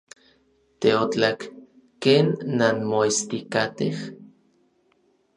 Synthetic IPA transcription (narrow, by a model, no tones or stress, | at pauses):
t̪eot͡ɬakː | eːnːanmoist̪ikat̪eh